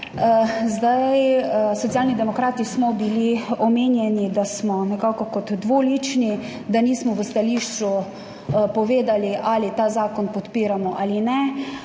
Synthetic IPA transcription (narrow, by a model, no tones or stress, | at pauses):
zd̪ajsɔt̪sjaːlnid̪ɛmɔkɾaːt̪ismɔbiliɔmeːnjɛnid̪asmɔnɛkaːkɔkɔt̪ːʋolit͡ʃni | d̪aniːsmɔʋəst̪aliːʃt͡ʃu | pɔʋeːd̪aliʔaːlit̪aːzaːkɔnpɔt̪piːɾamɔʔaːlinɛ